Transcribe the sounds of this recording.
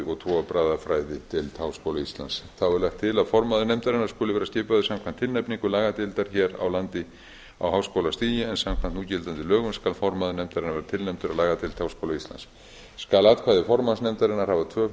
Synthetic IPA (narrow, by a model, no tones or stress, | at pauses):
ɔt̪ʰɔapɾaːðafɾaːjðɪt̪ʰɪlt̪ʰaːwskowlaist̪la̰nsθawɛɾlaxt̪ʰːɪlaðfɔɾmaðʏnɛjmt̪aɾɪnaɾ̥skʏːlɪvɛːɾasc̪ɪːpaðʏsamkʰvan̥t̪ʰːɪlnɛjpniŋkʏlaːɣat̪ɪlt̪aɾ̥çɛːɾa̰wlant̪ɪ | a̰wɦaːwskowlast̪iːjɪɛnsamkʰvant̪nuːcɪlt̪ant̪ɪlœːɣʏnskalfɔɾmaðʏnɛjmt̪aɾɪnavɛːɾat̪ʰɪlnɛjmt̪ʏɾalaːɣat̪ʰɪlt̪ʰaːwskowlaist̪a̰ns | skalat̪kʰvajðɪfɔɾmaðsnɛmt̪aɾɪnːaɾ̥haːvat̪ʰvœː